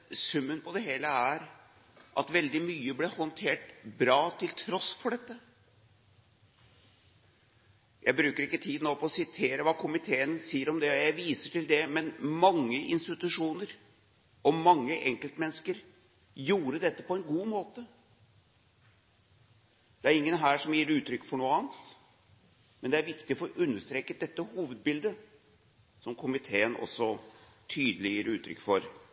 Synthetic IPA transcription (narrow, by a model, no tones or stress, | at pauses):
sʉmːənpʰɔd̪ɛɦeːləæɾ | ʔɑ̰t̪ʋɛld̪ɪmyːəblɛhɔnt̪ʰeːʈbɾɑːt̪ʰɪlt̪ʰɾɔsfɔɖɛt̪ːə | jʔæɪbɾʉːkəɾɪkːət̪ʰiːd̪noːpʰɔɔsɪt̪ʰeːɾəʋɑːkʰʊmɪt̪ʰeːənsiːəɾɔmd̪ɛɔjæɪʋiːsəʈɪld̪ɛmɛnmɑŋːəʔɪnst̪ɪt̪ʉʂuːnəɾ | ɔmɑŋːəʔɛŋkəlt̪mɛnːəskəɾ | juːɾəd̪ɛt̪ːəpɔɛnɡuːmoːt̪ə | d̪̥ɛæɾɪŋːənɦæːʂɔmjiːɾʉːt̪ɾʏkːfɔɳuːəɑːnt̪ | mɛnd̪ɛæɾʋɪkt̪ɪɔfoɔʔʉnːəʂt̪ɾeːkəd̪ɛt̪ːəhuːʋəd̪̚bɪld̪ə | sɔmkʰʊmɪt̪ʰeːənʔɔ̰sːɔt̪ʰyːd̪əlɪjiːɾʉ̰ːt̪ʰːɾʏ̰kːfɔɾ